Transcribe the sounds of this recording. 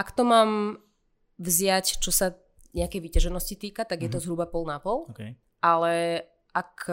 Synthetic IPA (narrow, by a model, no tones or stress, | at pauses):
ʔakt̪ɔmaːm | vzɪact͡ʃɔsa | ɲɛakɛjʋicaʒɛnɔscit̪iːkat̪aɡjɛt̪ɔzɦɾubapɔlˠnapɔlˠk | ʔalɛ | ʔak